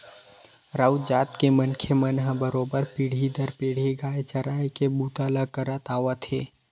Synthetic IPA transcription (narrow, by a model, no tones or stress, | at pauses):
ɾaːwd͡ʒaːt̪kemənkʰemənɦəbəɾoːbəɾpiːɽ̤id̪əɾpeːɽ̤eɡaːet͡ʃɐɾaːekebuːt̪alakəɾət̪aːʋat̪ʰeː